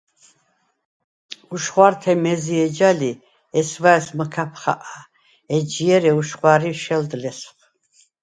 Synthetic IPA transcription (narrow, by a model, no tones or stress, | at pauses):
uʃχwaɾt̪ʰɛmɛziɛd͡ʒali | ɛsvaɛsməkʰapʰχa̰ʔa | ɛd͡ʒiɛɾɛuʃχwaɾiʃɛld̪lɛsχ